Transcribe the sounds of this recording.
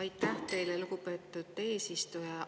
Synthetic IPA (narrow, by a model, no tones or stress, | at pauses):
ɑjt̪ːˑæht̪e̞jlelukupe̞ːt̪ːˑut̪ːe̞ːsist̪ujɑ